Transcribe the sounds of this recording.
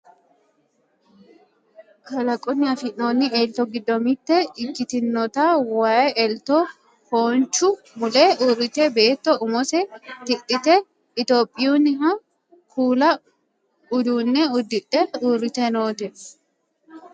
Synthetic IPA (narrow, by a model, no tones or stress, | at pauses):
kɐlɐkʼʊnːɪɐfɪʔoːnːɪeːlt̪ɔɡɪd̪ːɔmɪt̪ːɛɪkːɪt̪ɪnːɔt̪aːwaːjɛlt̪o | hoːnt͡ʃːʊ | mʊleʔuːɾɪt̪ɛbe̞ːt̪ːɔʔʊmɔsɛt̪ɪᶑɪt̪ɛ | ɪt̪o̞ːpʼːɪjuːnːɪhɐ | kʰuːlɐ | ʊd̪uːnːɛʊd̪ːɪᶑɛuːrɪt̪ɛnoːt̪ɛ